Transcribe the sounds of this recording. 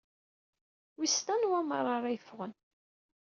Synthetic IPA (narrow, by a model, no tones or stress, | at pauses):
wist̪ænwæmərˤɑɾˤajəfʁən